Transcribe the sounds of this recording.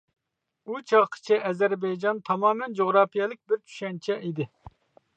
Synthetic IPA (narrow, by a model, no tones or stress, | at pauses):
ut͡ʃʰɑʁqʰə̥t͡ʃʰɛɛzɛɾbɛjd͡ʒɑnt̪ʰɑmɑːmɛnd͡ʒoʁɾɑːpijɛlˠɪk̚ʲbɪɾt͡ʃʰy̥ʃɛnt͡ʃʰɛʔid̪ɪ